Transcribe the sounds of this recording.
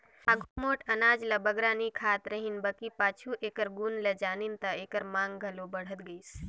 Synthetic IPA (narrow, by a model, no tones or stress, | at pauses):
aɡʱumoʈənad͡ʒləbəɡɾanikʰat̪ɾəɦinbəkipat͡ʃʰuʔekəɾɡunled͡ʒanint̪əekəɾmãŋɡɡʱəlobəɽ̤ət̪ɡəɪs